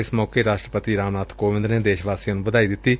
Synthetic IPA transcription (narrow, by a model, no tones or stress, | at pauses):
ɪsmɔːkeːɾaːʃʈɾəpət̪iːɾaːmnaːt̪ʰkoːʋɪ̃nd̪ɾneːd̪eːʃʋaːsinũːbəd̪aːiːd̪ɪt̪ːiː